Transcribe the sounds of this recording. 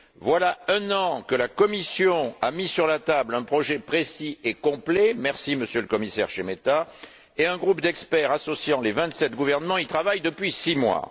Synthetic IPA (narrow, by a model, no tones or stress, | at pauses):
vwalaɛ̃nɑ̃kəlakɔmisjɔ̃amisyʁlat̪ablɛ̃pχɔʒepχesiekɔ̃plɛmɛʁsiməsjøləkɔmisɛ̰ʁʃemet̪a | eɛ̃ɡʁupd̪ɛkspɛʁasɔsjɑ̃levɛ̃t̪sɛt̪ɡuvɛʁnəmɑ̃ilt̪χavajd̪əpɥisimwa̰